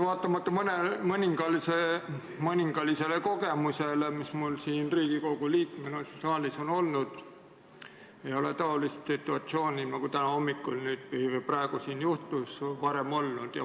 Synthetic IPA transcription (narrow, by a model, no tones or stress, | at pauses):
vɑːt̪ːˑɑmɑt̪ˑːɑmɤnemɤnʲiŋɡ̥ɑlise | mɤnʲiŋɡ̥ɑlise̞leko̞ɡ̥e̞musele̞mismulsiːnriːɡ̥iko̞ɡ̥uliːkmenossɑːliso̞no̞lnud̪̥ | e̞jo̞let̪ɑo̞list̪sit̪ːˑuɑt̪sio̞ːnʲinɑɡut̪ænɑo̞mːikːˑulnyːd̪̥̚pihiveprɑeɡ̥usiːnjuht̪usvɑɾe̞mo̞lnud̪̥jɑ̰